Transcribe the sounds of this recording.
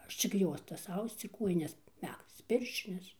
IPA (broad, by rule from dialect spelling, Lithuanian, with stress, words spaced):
ˈɐʃ t͡ʃʲɪk ˈjuɔstɐs ˈɐʊst͡s ɪr ˈkuɔjɪnʲɛs ˈmʲækst͡s ˈpʲɪrʲʃʲt͡ʃʲɪnʲɛs